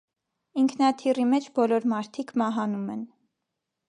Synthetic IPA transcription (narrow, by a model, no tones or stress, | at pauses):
iŋkʰnɑt̪ʰirimɛt͡ʃʰbɔlɔɾmɑɾt̪ʰikʰmɑɦɑnumɛn